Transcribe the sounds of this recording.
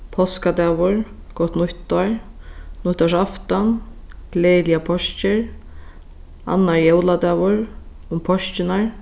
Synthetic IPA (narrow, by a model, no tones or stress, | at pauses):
pʰɔskad̪ɛːvʊɹkɔht̪nʊht̪ɔɹnʊht̪ːɔʂ̬aft̪ankleːljapʰɔʃt͡ʃɪɹ | a̰nːaɹjɛwlad̪ɛːvʊɹ | ʊmpʰɔʃt͡ɕɪnaɹ